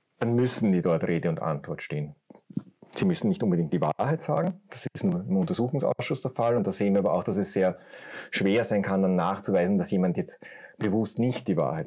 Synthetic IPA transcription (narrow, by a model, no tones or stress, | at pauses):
d̥anmʏsn̩diːdɔɐtʁeːdəʊntʔã̰ntv̥ɔɐtʃteːn | z̥iːmʏsn̩nɪçtʔʊnmbədɪŋkt̚d̥iːva̰ɐhæɪtz̥a̰ːɡŋ̩d̥asɪstnuːɐɪmʊntɐzuːxʊŋsa̰ʊsʃʊsd̥ɛːɐfalʊnt̚d̥aːz̥eːnviːɐabɐʔa̰ʊxd̥asɛsz̥eːɐʃv̥eːɐzæɪnkʰandanːaːxt͡suvæɪzn̩d̥asjeːmantjɛt͡stb̥əvʊstnɪçtd̥iːva̰ːɐhæɪt